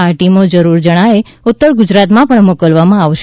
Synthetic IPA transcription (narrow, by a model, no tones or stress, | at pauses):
aʈimod͡ʒəɾuɾd͡ʒəɽ̃ae | ut̪ːəɾɡʊd͡ʒɾat̪mãpəɳmokəlʋamãaʋʃ